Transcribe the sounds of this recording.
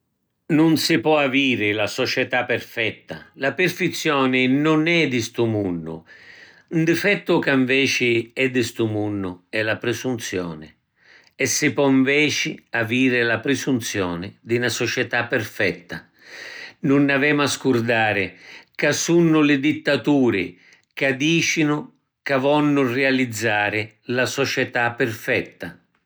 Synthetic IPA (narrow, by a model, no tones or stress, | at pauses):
nʊnsɪpɔaviːɾɪlasɔt͡ʃɛt̪apːɪrfɛt̪ːalapɪrfɪt̪sːjɔːnɪnʊnɛd̪ɪst̪umunːʊ̰ | und̪ɪfɛt̪ːʊkaɱvɛːt͡ʃɪɛd̪ːɪst̪umunːʊɛlapɾɪsunt̪sjɔ̰ːnɪ | ɛsːɪpɔiɱvɛːt͡ʃɪaviːɾɪlapɾɪsunt̪sjɔːnɪd̪ɪnasɔt͡ʃɛt̪apːɪrfɛt̪ːa | nʊnːavɛːmaskuɾd̪aːɾɪkasunːʊlɪd̪it̪ːat̪uːɾɪ̰ | kad̪iːt͡ʃinʊ | kavɔnːʊrɛalid̪zːaːɾɪ | lasɔt͡ʃɛt̪apːɪrfɛt̪ːa